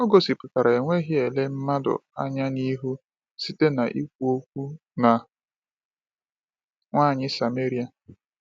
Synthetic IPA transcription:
ɔ˦ɡo˨si˨pʊ˨ka˨ɾa˨e˨ŋʷe˦ɦɪ˦e˨le˦m̩˦ma˦dʊ̰˨a̰˦ɲa˦ni˦ɦu˦ | si˦te˦na˨ʔi˦k̚ʷu˦o˦kʷu˦ | na˨ | ŋʷaː˦˨ɲɪ˦sa˨me˦ɾi˦a˨

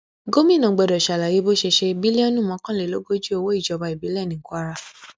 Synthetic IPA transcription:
ɡo˦mĩ˦˨nã˨˦ɡ͡bɛ˧˨dɔ˨ʃa˨la˨je˨˦bo˦ʃe˧ʃe˧bi˦le˦o˦nũ˦˨mɔ̃˨˦kã˦˨le˨lo˨˦ɡo˦d͡ʒu˦o˧wo˦i˦˨d͡ʒɔ˧ba˧˨i˨bi˨˦lɛ˦˨nĩ˨˦kʷa˦ɾa˧

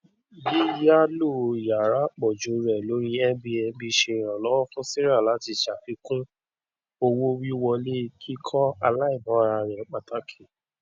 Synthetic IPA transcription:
bi˦ja˦lo˦˨ja˨ɾa˨˦k͡pɔ˨d͡ʒo˨˦ɾɛ˨lo˨˦ɾi˦ɛ˦bi˧ɛ˧bi˧ʃe˧˨ɾ̃ã˨lɔ˦wɔ˦fũ˦si˦ɾa˦˨la˨˦ti˧ʃa˨fi˧˦kũ˦ | o˧wo˦wi˦wɔ˧le˦˧˦kʰi˦kʰɔ˦a˧la˦i˦˨mã˨˦˧ɾa˧˨ɾɛ˨˦k͡pa˨ta˨˦kʰe˦˨

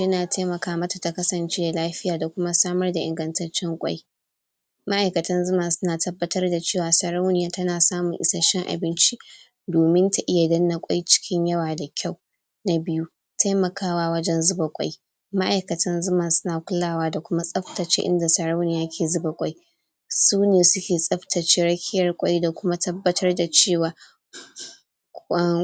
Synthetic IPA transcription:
jɐ˦naː˨tʰa˦jmɐ˨kaː˦mɐ˦ta˨ta˨kɐ˦sɐ˨nt͡ʃeː˦da˨laː˦ɸɪ˦jaː˨da˨kʷʊ˦ma˦saː˦mɐ˦rda˨ʔɪ˨ŋɡɐ˨ntɐ˦t͡ʃːɛ˦ŋkʷʼa̰˦j | ma˦ʔa˨jkɐ˨tɐ˦nzʊ˦maː˨sʊ˦naː˨tɐ˦bːɐ˦tɐ˦rda˨t͡ʃeː˦˨waː˨sɐ˨ɾa˦wnɪ˨jaː˨˦tɐ˦naː˨saː˦mʊ˨ŋʔɪ̰˨sa˦ʃɛ˦ŋʔa̰˨bɪ˦nt͡ʃi˦ | doː˨mɪ˦nta˨ʔɪ˦ja˨dɐ˦nːa˨kʷʼa̰˦jt͡ʃɪ̥˦kʲɪ˦ɲjɐ˦waː˨da˨kʲʰa˦˨w | na˦bɪ˦ju˦ | tʰa˦jmɐ˨kaː˦waː˦wɐ˦d͡ʒɛ˦nzʊ˦ba˨kʷʼa̰˦j | ma˦ʔa˨jkɐ˨tʰɐ˦nzʊ˦mɐ˨nsʊ̥˦naː˨kʷʊ˦laː˦˨waː˦da˨kʷʊ˦ma˦sʼɐ˦ɸtɐ˨t͡ʃḛ˦ʔɪ̰˦nda˨sɐ˨ɾa˦wnɪ˨jaː˦kʲʰeː˨zʊ˦ba˨kʷʼa˦j | suː˦neː˨sʊ˦kʲeː˨sʼɐ˦ɸtʰɐ˨t͡ʃeː˦ɾɐ˦kʲʰɪ˦jɐ˨rkʷʼa˦jda˨kʷʊ˦ma˦tʰɐ˦bːɐ˦tʰɐ˦rda˨t͡ʃeː˦˨waː˨

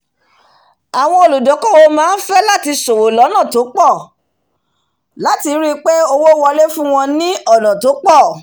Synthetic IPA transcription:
a˨w̃ɔ̃˧o˧˨lu˨dɔ˨˦kɔ˦wo˧mãː˨˦n̩˦fɛ˦la˦ti˧so˨wo˨lɔ˨˦nã˦˨to˨˦k͡pɔ˦˨ | la˨˦ti˧˦ɾi˦k͡pe˦o˦˧wo˦wɔ˧le˦fũ˦w̃ɔ̃˧nĩ˦ɔ˦˨nã˨to˨˦k͡pɔ˦˨

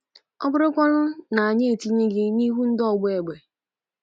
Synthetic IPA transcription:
ɔ˦bʊ˦ɾʊ˦kʷɔ˦lʊ˦na˨a˨ɲe˦e˨ti˦ɲe˦ɡɪ˦ni˦ɦu˦n̩˦dɔ˦˨ɡ͡bʊ˦e˨ɡ͡be˨

